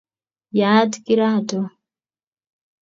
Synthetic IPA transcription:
jaːtkiɾato

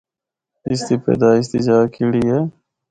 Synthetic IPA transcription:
ist̪ipḛːd̪aːist̪id͡ʒaːkiɽije

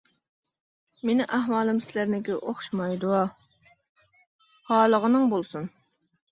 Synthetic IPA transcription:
menɪʔæɦwɑːlˠɨmsɪlæɾnɪkʲɛʔoχʃmɑjd̪uɑ | hɑːlˠəʁənɨŋbolˠsun

